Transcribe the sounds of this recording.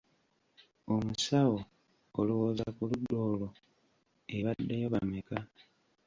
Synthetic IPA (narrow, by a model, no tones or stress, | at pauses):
o̞musawoː | luwoːzakuludːo̞ːlo̞ | eβadːejoβameka